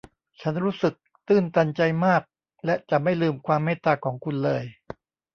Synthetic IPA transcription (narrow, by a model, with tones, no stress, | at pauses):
t͡ɕʰa˦˥nɾuː˦˥sɯ˨˩k̚t̪ɯː˥˩nt̪a˧nt͡ɕa˧jmaː˥˩k̚ | lɛ˦˥t͡ɕa˨˩ma˥˩jlɯː˧mkʰwaː˧mːeː˥˩t̪aː˧kʰɔː˩˦ŋkʰu˧nlɤː˧j